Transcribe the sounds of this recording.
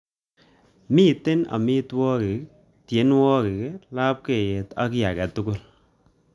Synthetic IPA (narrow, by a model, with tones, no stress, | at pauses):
mi˦te˦na̰˨mi˦twɔ˦ke˨k | tje˨˦nwɔ˦ke˨kla˦p̚ke˨je˨ta̰˦ki˦ja˨kɛ˨tu˦kʊ˦l